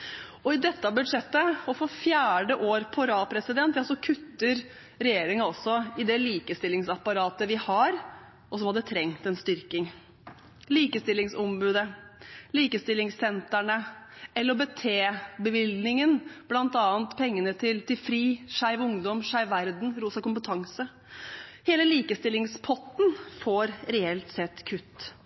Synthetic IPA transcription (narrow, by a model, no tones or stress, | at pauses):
ɔɪd̪ɛt̪ːɑbʉd̪ʂɛt̪ːəɔfɔfjæːɖəʔoːɾpʰɔɾɑːpʰɾɛsɪd̪ɛnt̪jɑsɔkʰʉt̪ːəɾ | ɾɛjeːɾɪŋɑɔsɔɪd̪ɛliːkəst̪ɪlːɪŋsɑpːɑɾɑːt̪əʋɪhɑɾ | ʔɔsɔmhɑd̪ːət̪ʰɾɛŋt̪ɛnst̪ʏɾkɪŋ | liːkəst̪ɪlːɪŋsɔmbʉːd̪əliːkəst̪ɪlːɪŋsɛnt̪æɳəɛləɾɔbɛt̪ʰeːbəʋɪlnɪŋənb̥lɑnt̪ɑːənt̪pʰɛŋːənət̪ʰɪlt̪ɪlfɾiːʂæɪʋʊŋd̪ɔmʂæɪʋʋæɾd̪n̩ɾuːsɑkʊmpət̪ʰɑŋsə | heːləliːkəst̪ɪlːɪŋspʰɔt̪nfoːɾɾɛɛlt̪sɛt̪ːkʰʉt̪ː